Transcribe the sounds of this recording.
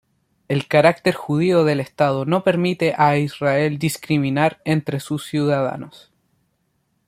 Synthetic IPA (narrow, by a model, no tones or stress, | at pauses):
e̞lkaɾak̚t̪e̞ɾxuð̞ioðe̞lest̪að̞o̞no̞pe̞ɾmit̪eʔaisrae̞ld̪iskɾiminaɾent̪ɾesusːjuðaða̰nos